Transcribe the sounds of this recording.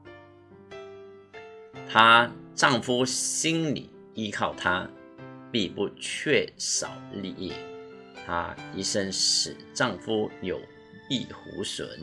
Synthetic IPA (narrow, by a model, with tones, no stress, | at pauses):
t̪ʰa˥ʈ͡ʂɑ˥˩ŋfu˥ɕi˥nlḭ˨˩˦ | i˥kʰɑ˥˩ʊt̪ʰa˥ | pi˥˧pu˥˧t͡ɕʰɥɛ˥˩ʂɑ˨˩ʊli˥˧ʔi˥˩ | t̪ʰa̰˥i˥˩ʂə˥nʂɻ̩˨˩ʈ͡ʂɑ˥˩ŋfu˥jo˨˩ʊ | i˥˩xṵ˧˥swə̰˨˧˥n